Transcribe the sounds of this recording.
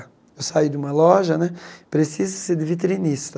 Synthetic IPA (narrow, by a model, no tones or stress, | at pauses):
ewsaid̪ɪũmɐlɔʒɐnɛpɾesizɐseɾd̪ɪvit̪̬ɾinist̪ɐ